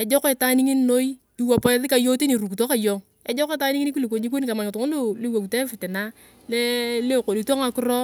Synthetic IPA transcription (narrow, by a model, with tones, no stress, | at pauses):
ɛ˨d͡ʒɔ˦kɪ˨ta˦ni˦ŋi˦n˦no˦i˦ | i˦˨wa˨pɔ˦ðɪ˦ka˨jo˦ti˦ni˨ɾu˨ku˨to˦ka˦˨jɔ˨ŋ | ɛ˦d͡ʒɔ˦ke˦ta˦ni˦ŋi˦ni˦ku˦li˨ko˨ɲi˦k̬ʷo˦ni˦ka˨ma˨ŋɪ˨tʊ˨ŋo˦lo˦le˦wa˨ku˨tɛ˦fɪ˨tɪ˨na˦ | le˦le˦˨ko˨li˨to˦ŋa˨kʊ˦ɾɔ˦